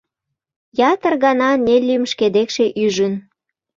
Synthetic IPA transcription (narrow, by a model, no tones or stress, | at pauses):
jɑt̪ə̆rɣɑnɑnelymʃked̪ekʃeʔyʒən